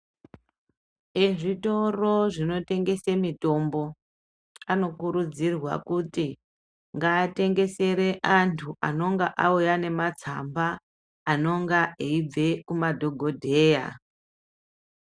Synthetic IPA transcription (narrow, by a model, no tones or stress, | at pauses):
eʐito̞ro̞ʐino̞te̞ŋɡe̞semito̞mbo̞ | ano̞kuɾud͡zirwa̰kuti | ŋɡaːte̞ŋɡe̞se̞ɾe̞ʔantʰuʔano̞ŋɡaʔaujane̞mat͡sa̰mbaː | no̞ŋɡaeib͡ve̞kumadʱo̞ɡʱo̞dʱeːja̰